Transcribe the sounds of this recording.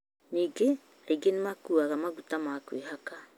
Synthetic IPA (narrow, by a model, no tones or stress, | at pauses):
niɡe | aiɡenimakuaɡamaɡutamakueɦaka